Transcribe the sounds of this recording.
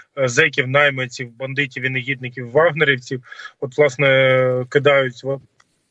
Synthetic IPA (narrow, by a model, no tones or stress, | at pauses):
zɛkʲiwnɑjmɐt͡sʲiwbɐnd̪ɪtʲiʋinɐɣʲid̪nɪkʲiwːɑɦnɐɾʲiwt͡sʲiwɔt̪ʋlˠɑsnɛkɪd̪ɑjʊtʲʋɔ